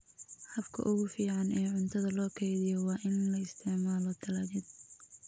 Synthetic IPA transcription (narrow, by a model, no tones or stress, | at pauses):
hɐfkʰɐ̰ʔʊɣʊfiːʕɑnʔɛːʕʊnt̪ʰɐðɐlɔːkʰɛjðɪjɔwɑːʔɪnlɐɪst̪ʰɪʕmaːlɔd̪ʰɐlaːðɪd̪